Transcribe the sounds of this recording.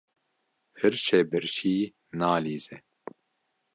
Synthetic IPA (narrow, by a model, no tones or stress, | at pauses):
hɨɾʃɛbɨɾʃiː | naːliːzɛ